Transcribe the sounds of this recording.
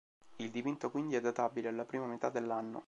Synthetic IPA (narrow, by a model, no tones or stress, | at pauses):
ild̪ipint̪okwind̪iɛd̪ːat̪abilealːapɾiːmamet̪ad̪ːelːanːo̰